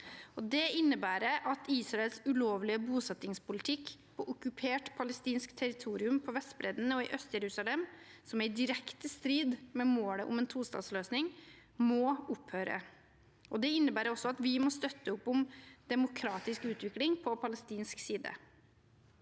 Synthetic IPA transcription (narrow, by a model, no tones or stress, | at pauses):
ɔd̪ɛɪnːəbæːɾəʔɑt̪ʰiːsɾɑɛlsʉloːʋlɪəbuːsɛt̪ːɪŋspʊlɪt̪ʰɪkːpʰɔʔʊkʉpʰeːʈpʰɑləst̪iːnskt̪ʰɛɾɪt̪ʰuːɾɪʉmpʰɔʋɛst̪bɾɛːd̪ənəɔɪʔœst̪jɛɾʉːsɑlɛmsɔmæɪd̪ɪɾɛkt̪əst̪ɾiːd̪mɛmoːləʔʊ̰mɛːnt̪ʰuːst̪ɑ̰ːsløːsnɪŋmɔʊphøːɾə̰ | ʔɔd̪ɛɪnːəbæːɾəɔsːɔɑt̪ʋɪmɔst̪œt̪ːəʊpːʊmd̪ɛmʊkʰɾɑːt̪ɪskʉːt̪ʋɪklɪŋpʰɔpʰɑləst̪iːnsksiːd̪ə̰